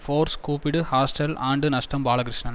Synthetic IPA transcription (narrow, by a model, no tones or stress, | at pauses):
foːɾskuːpɪɽɯhaːsʈɐlaːɳɖɯnɐʂʈɐmbaːɭɐkɾɪʂɳɐn